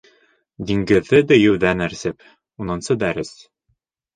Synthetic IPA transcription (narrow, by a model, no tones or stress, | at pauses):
d̪iŋɡɘ̆ðːɘd̪ɘ̆jɘ̆wðænæɾsɘp | unɤ̆nsɤd̪æɾɘs